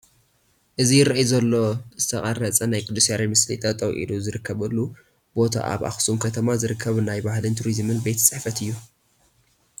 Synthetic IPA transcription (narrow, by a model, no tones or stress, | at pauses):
ʔɨzijɪɾɐʔjuzɐlːo̞zɨt̪ʰɐχʼɐɾɐt͡sʼɐnajkʼɨd̪usaɾimɨslḭt̪ʼɐt̪ʼɐwʔḭluzɨɾɨkʰːɐβɨlːu | bo̞t̪ʰa̰ʔa̰βa̰xsumkʰɐt̪ʰɐmazɨɾɨkʰːɐβnajbahlɨnt̪ʰuɾizmɨnbet̪ʰt͡sʼɨħfɐt̪ɨjːu